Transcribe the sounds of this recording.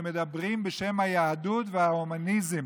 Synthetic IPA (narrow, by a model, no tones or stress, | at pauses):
med̪abʁimbeʃe̞mhajaːdut̪vehaomanizem